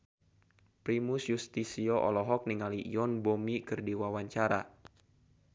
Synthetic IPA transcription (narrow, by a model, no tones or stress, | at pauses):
pɾimusjust̪isiɔʔɔ̰lɔɦɔk̚niŋalḭjɔnbomikɨrdiwawaɲt͡ʃaɾa̰